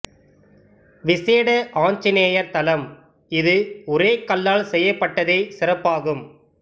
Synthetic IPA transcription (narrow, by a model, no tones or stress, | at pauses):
ʋɪseːɽɐʔaːnt͡ʃɪneːjɐɾt̪ɐlɐm | ɪðɯɔɾeːkːɐlːaːlsɛjːɐpːɐʈːɐðeːsɪɾɐpːaːɣɯm